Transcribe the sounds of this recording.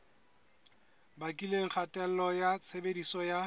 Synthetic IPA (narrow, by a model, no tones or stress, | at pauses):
bakʼileŋ̩χʰatʼɛl̩lɔjat͡sʰebedisɔja